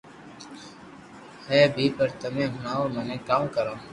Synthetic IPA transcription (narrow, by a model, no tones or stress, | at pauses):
heːbʱiːpəɾt̪əmẽːɦʊnaːoːmɛːnẽːkaːmkəɾãː